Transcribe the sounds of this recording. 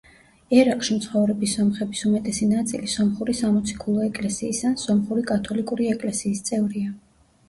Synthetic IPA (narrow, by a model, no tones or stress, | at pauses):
ɛɾaqʼʃimt̪sʰχɔvɾɛbisɔmχɛbisumɛt̪ʼɛsinat̪sʼḭlisɔmχuɾisamɔt̪sʰi̥kʰulˠɔɛkʼlɛsiːsansɔmχuɾikʼat̪ʰɔlikʼuɾiɛkʼlɛsiːst̪sʼɛvɾia